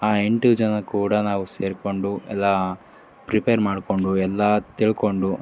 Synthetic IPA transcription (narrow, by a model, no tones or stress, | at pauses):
aːeɳʈud͡ʒɐnɐkuːɽɐnaːʋuseːɾko̞ɳɖuɛ̰lːɐ | pɾipejɐɾmaːɽko̞ɳɖuɛlːɐt̪iɭko̞ɳɖu